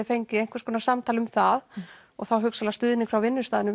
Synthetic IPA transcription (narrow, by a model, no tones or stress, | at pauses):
ɪfejɲcɪejŋkvɛɾskɔːnasamt̪ʰalʏmθað | ɔɣθawɦœksalast̪ʏːðɪnɪŋkʰɾawvɪnːʏst̪aːðɪnʏ